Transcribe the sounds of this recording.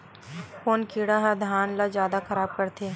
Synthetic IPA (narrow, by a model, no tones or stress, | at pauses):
foːnkiːɽaɦɐd̪ʱaːnlazjaːd̪axɐɾaːb̚kɐɾt̪ʰeː